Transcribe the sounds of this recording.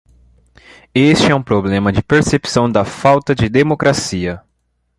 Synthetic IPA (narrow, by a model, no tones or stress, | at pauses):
est͡ʃɪɛũpɾoblẽmɐd͡ʒɪpeɾsepsɐ̃w̃d̪ɐfawt̪ɐd͡ʒɪd̪emokɾasiɐ